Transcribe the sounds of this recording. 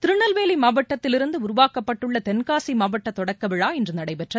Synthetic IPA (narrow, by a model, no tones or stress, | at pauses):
t̪ɪɾɯɳɐlʋeːlɐɪmaːbɐʈːɐt̪ːɪlɪɾɯnd̪ɯʊɾʊʋaːkɐpːɐʈːɯɭːɐt̪ɛnkaːsimaːbɐʈːɐt̪ɔɽɐkːɐʋɪɻaːɛndrɯnɐɽɐɪpɛʈrɐ